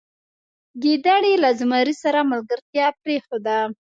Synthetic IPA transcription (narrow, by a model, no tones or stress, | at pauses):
ɡed̪aɽilazmɑɾisaɾamalɡəɾt̪jɑpɾexod̪a